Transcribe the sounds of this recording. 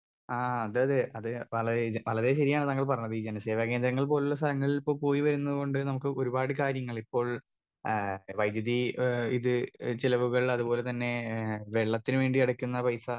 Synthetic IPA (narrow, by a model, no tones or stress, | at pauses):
aːɐðɨɐðɨʔɐðɨʋɐɭɐɾeʋɐɭɐɾe̞ɕɐɾijaːɳɨt̪aŋːɐɭp̬ɐrɐɲːɐðɨid͡ʑenɐse̞ːʋakend̪ɾɐŋːɐɭpo̞ːluɭːɐs̬t̪ɐɾɐŋːɐɭilipːoːɭpo̞ːjiʋɐɾunːɐðɨɣo̞ɳɖɨnɐmukːɨʔo̞ɾubaːɽɨkaːɾjɐŋːɐɭipːo̞ːɭ | ʋɐjd̪jɐðiiðɨt͡ɕilɐʋuɣɐɭɐðubo̞ːle̞t̪ɐnːe̞ʋeɭːɐt̪ːinɨʋe̞ːɳɖiɐɽɐkʲːunːɐpɐjsɐ